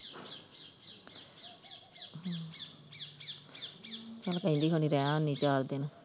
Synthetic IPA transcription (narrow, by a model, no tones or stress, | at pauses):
t͡ʃalkəĩnd̪iːkʰoniɾɛːãonːit͡ʃaːɾd̪ɪn